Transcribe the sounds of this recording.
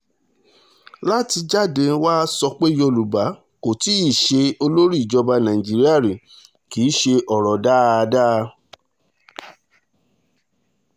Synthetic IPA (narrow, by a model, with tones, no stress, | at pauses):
la˦ti˧d͡ʒa˦˨dẽ˧˦waː˦sɔ˧k͡pe˦jo˧˨lu˨ba˨˦ | ko˨ti˨˦i˦˨ʃe˧o˧lo˦ɾi˦˨i˨d͡ʒɔ˧ba˧nã˨ĩ˨d͡ʒi˨˦ɾi˦a˦˨ɾĩ˨ | ki˨˦ʃe˧ʔɔ˨ɾɔ˨da˦a˧daː˦˧